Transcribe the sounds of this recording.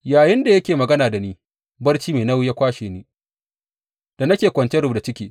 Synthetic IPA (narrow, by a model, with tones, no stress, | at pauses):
jaː˨jɪ˦nda˨jɐ˦kʲeː˨mɐ˨ɡɐ˦naː˨da˨niː˦ | bɐ˦rt͡ʃiː˦meː˨nɐ˦wjaː˦kʷaː˦ʃeː˨niː˦ | d̥a˨nɐ˦kʲeː˨kʷɐ˨nt͡ʃe˦ɾʊ˦˨bda˨t͡ʃɪ˦kʲiː˨